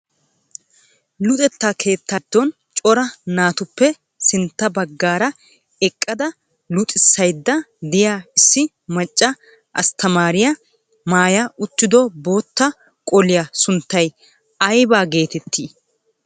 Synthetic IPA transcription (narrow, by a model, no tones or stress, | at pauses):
lʊt̪ʼɛt̪ːaːkʰe̞ːt̪ːɐd̪̥ːɔn | t͡ʃʼɔɾɐnaːt̪ʊpːɛ | sɪnt̪ːɐbɐɡːaːɾɐ | ɛkʼːɐd̪ɐ | lʊt̪ʼɪsːɐjd̪ːɐd̪ɪjaːɪsːɪ | mɐt͡ʃʼːɐ | ʔɐst̪ɐmaːɾɪjɐ | maːjaʔʊt̪ːɪd̪ɔbo̞ːt̪ːɐ | kʼɔlɪjɐsʊnt̪ːɐj | ɐjbaːɡe̞ːt̪ɛt̪ʰːiː